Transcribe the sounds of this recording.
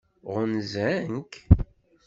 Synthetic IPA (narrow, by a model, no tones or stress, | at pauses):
ʁʊnzæŋk